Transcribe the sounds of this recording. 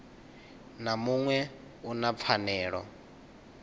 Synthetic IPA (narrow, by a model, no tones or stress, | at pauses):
namuŋwɛ | unap̪fʰanɛːɺɔ̰